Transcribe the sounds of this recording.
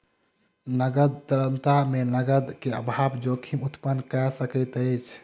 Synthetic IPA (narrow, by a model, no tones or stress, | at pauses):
nəɡəd̪̚t̪əɾənt̪amenəɡəd̪keə̰bʱabd͡ʒokʰimut̪pənːkɛsəkət̪ət͡ʃʰ